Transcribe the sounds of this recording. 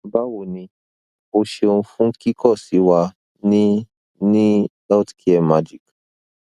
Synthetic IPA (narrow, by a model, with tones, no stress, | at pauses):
ba˦wo˨nĩ˧ | o˧ʃe˧o˧n̩˧fũ˦ki˦kʰɔ˦˨si˨˦wa˧ | nĩ˦ | nĩ˦ | a˦tkʰi˦ɛ˦ma˦d͡ʒi˨k